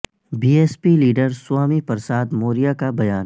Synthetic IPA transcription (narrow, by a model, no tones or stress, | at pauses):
biːeːspiliːɖəɾswaːmipɐɾsaːd̪moːɾijakabɐjaːn